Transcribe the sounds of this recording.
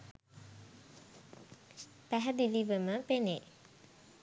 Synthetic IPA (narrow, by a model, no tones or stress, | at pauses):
pæɦæd̪iliʋəməpene